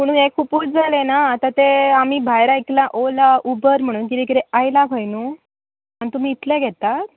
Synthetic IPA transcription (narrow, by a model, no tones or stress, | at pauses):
muɽ̃uekʰupuːt͡sd͡zalenaːt̪at̪eamiːbʱajɾaiklaʔolaubəɾm̤əɽ̃uːnkid̪ekiɾɛajlakʰəjnu | anit̪um̤iːt̪leɡʱɛt̪at̪